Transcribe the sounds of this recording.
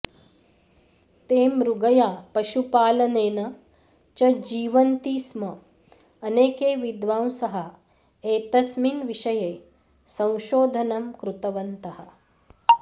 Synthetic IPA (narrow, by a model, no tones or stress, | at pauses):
t̪eːmɾuɡɐjaːpɐʃupaːlɐneːnɐ | t͡ʃɐd͡ʒiːʋɐnt̪iːsmɐ | ɐneːkeːʋid̪ʋaːw̃sɐɦɐ | eːt̪ɐsminʋiʃɐjeː | sɐ̃w̃ʃoːd̪ʱɐnɐmkɾut̪ɐʋɐnt̪ɐhɐ̆